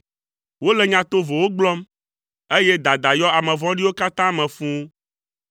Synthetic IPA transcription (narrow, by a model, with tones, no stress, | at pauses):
wo˦lɛ˨ɲã˨t̪o˦vo˨wo˦ɡ͡blɔ˦m | e˦jɛ˦d̪a˨d̪a˨jɔ˦a˨mɛ̃˨vɔ̃˦ɖi˦wo˦ka˦t̪ã˦mɛ̃˨fũ˦